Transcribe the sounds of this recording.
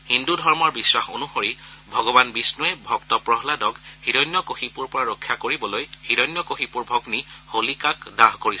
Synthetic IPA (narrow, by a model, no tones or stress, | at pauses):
hindudʱɔɹmɔɹbiswaxo̰nuxoɹibʱɔɡɔbanbisnuɛbʱɔktɔpɹɔɦladɔɡhidɔjnːɔkoxipuɹpɔɹaɹokʰːjakoɹibɔlojhiɾɔjnːɔkoxipuɹbʱɔɡniholikakdaɦkoɹis